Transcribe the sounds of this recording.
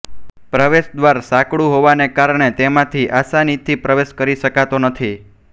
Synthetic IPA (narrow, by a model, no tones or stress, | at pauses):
pɾəʋeʃd̪ʋaɾsakɽũɦoʋanekaɾɳ̃et̪emãt̪ʰiʔasanit̪ʰːipɾəʋeʃkəɾiʃəkat̪onət̪ʰi